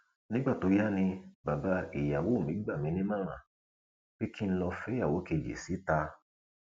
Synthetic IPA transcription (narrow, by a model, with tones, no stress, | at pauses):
nĩ˦ɡ͡ba˦˨to˨˧˦ja˦˨nĩ˧ba˨ba˨˦i˨ja˨wo˦˨mĩ˨˦ɡ͡ba˦˨mĩ˨˦nĩ˦mã˦ɾ̃ã˦˨ | b̥e˦ki˦n̩˦lɔ˧fɛ˦ja˦˨wo˨˦ke˧˨d͡ʒḛ˨si˨˦ta˧